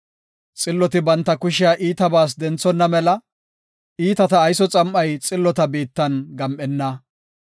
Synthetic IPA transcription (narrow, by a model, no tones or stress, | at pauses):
t͡sʼɪlːɔt̪ɪbɐnt̪ːɐkʊʃɪjaʔiːt̪ɐbaːs̬d̪ɛnt͡sːɔnːɐmɛlɐ | ʔiːt̪ɐt̪ɐːjsɔt͡sʼɐmʔɐjt͡sʼɪlːɔt̪ɐbiːt̪ːɐnɡɐmʔɛnːɐ